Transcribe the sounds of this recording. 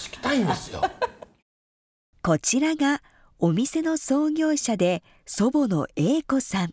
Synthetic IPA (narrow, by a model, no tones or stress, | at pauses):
sɨ̥kʲi̥t̪aĩnd̪esɨjo̰ | ko̞t͡ɕiɾaɡa | omʲise̞no̞so̞ːɡʲo̞ːɕad̪e̞ | so̞bo̞no̞̰e̞ːko̞sãŋ